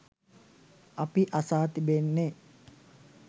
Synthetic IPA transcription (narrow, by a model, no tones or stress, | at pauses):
apiʔasaːt̪ibenːe